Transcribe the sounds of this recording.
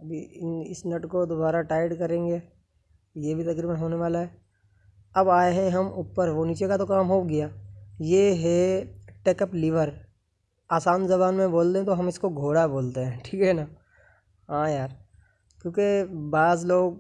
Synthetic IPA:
ɐbʱiɪnɪsnɐʈkod̪obaːɾaʈaːɪɖkɐɾẽːŋɡeː | jebʱit̪ɐkɾiːbənɦoːneʋaːlaɦɛː | ɐbaːeɦɛ̃ɦɐmʊpːəɾʋoniːt͡ʃekat̪okaːmɦoɡɐjaːjeːɦɛʈeːkəplɪʋəɾ | aːsaːnzɐbaːnmẽboːlt̪eɦɛ̃t̪oɦɐmɪskoɡʱoːɽaboːlt̪eɦɛ̃ːʈʰiːkɦɛnaː | ɦãːjaːɾ | kjõːkebaːzloːɡ

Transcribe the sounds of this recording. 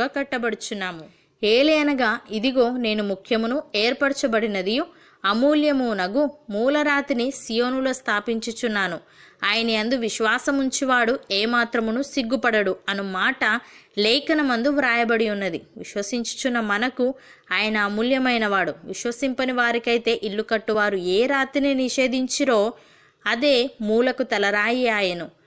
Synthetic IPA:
aːkɐʈːɐbɐɽut͡ʃunːaːmu | eːlɐjɐnɐɡaːid̪iɡo̞ːne̞ːnumukʰjɐmunueːɾpɐɽt͡ʃɐbɐɽinɐd̪iju | ɐmuːljɐmunɐɡumuːlɐɾaːt̪inisijo̞ːnulo̞ːst̪ʰaːpiɲt͡ʃut͡ʃunːaːnuaːjɐniɐnd̪uʋiʃʋaːsɐmuɲt͡ʃiʋaːɽueːmaːt̪ɾɐmunusiɡːupɐɽɐɽuɐnumaːʈɐlɛːkɐnɐmɐnd̪uʋɾaːjɐbɐɽiunːɐd̪ḭʋḭʃʋɐsiɲt͡ʃu̥t͡ʃunːɐmɐnɐku | aːjɐnɐːmuljɐmɐjnɐʋaːɽuʋiʃʋɐsimpɐniʋaːɾikɐjt̪e̞ːʔilːukɐʈːuʋaːɾueːɾaːt̪ininiʂe̞ːd̪iɲt͡ʃiɾo̞ː | ɐd̪e̞ːmuːlɐkut̪ɐlɐɾaːjiaːjɐnu

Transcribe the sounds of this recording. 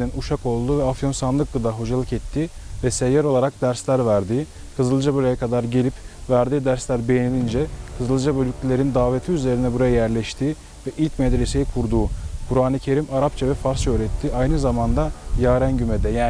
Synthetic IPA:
d̪inuʃako̞lˠd̪uːvɛafjo̞nsanlˠɯk̚ɡɯd̪aɦo̞d͡ʒalˠɯkɛt̪ʰːivɛsejaɾo̞lˠaɾak̚d̪æɾslʲæɾvæɾd̪iː | hɯzɯlˠd͡ʒabølʲejakʰad̪aɾɟe̞lʲipvæɾd̪iːd̪æɾslʲæɾbe̞jenilʲind͡ʒɛhʰɯzɯlˠd͡ʒabølʲycʲlʲilʲe̞ɾind̪aːvet̪ʰiyze̞ɾinɛbuɾajajæɾlʲɛʃt̪ʰiː | vɛʔilʲcmɛd̪ɾe̞se̞jikʰuɾd̪uːkʰuɾaːnɯcʰe̞ɾimaɾapt͡ʃʰavɛfaɾst͡ʃøɾɛt̪ʰːiʔajnɯzamand̪ajaːɾænɟymɛd̪ɛjaː

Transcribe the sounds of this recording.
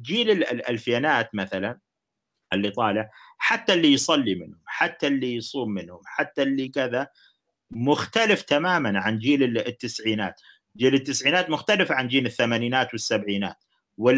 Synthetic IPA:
d͡ʒiːlɪllʔa̰lfjaːnaːt̪maθalan | ʔɪlːit̪ˤɑːlɪʕħat̪ːalːijsˤɑlːimɪ̰nhʊmħat̪ːalːijsˤuːmːɪnhʊmħat̪ːalːikɪða | mʊxt̪alɪft̪amaːmanʕand͡ʒiːlɪt̪ːɪsʕiːna̰ːt̪ | d͡ʒiːlɪt̪ːɪsʕiːnaːt̪mʊxt̪alɪfʕand͡ʒiːnɪθːamaːniːnaːt̪wɪsːabʕiːna̰ːt̪̚ | wɪ

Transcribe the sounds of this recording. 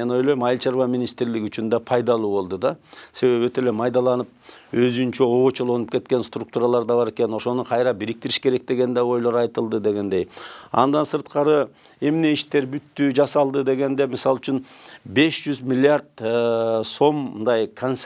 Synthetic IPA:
e̞no̞jlojmɑjlʲt͡ʃɑɾβɑmʲinʲist̪ɾliɡʲyt͡ʃynd̪ɑpʰɑjd̪ɑlˠuːβo̞lˠd̪ud̪ɑse̞βe̞βøt̪e̞le̞mʰɑjd̪ɑlˠɑnɯp̚ø̞zynt͡ʃøo̞ːt͡ʃolˠo̞nupke̞t̪̚ke̞nst̪ruk̚t̪uːɾɑlˠɑɾd̪ɑβɑɾe̞ke̞no̞ʃo̞nuqʰɑjɾɑbiɾik̚t̪iɾiʃke̞ɾe̞k̚d̪e̞ɡe̞nd̪eo̞jlˠo̞ɾɑjt̪ɯlˠd̪ɯd̪e̞ɡe̞nd̪e̞jɑ̰nd̪ɑnsɯɾt̪qɑɾɯ | e̞mne̞iʃt̪e̞ɾbyt̪ːyd͡ʒɑsɑlˠd̪ɯd̪e̞ɡe̞nd̪e̞misɑlˠyt͡ʃynbe̞ʃd͡ʒyzmʲilʲːɪaɾd̪̚ | so̞mnd̪ɑjkʰons

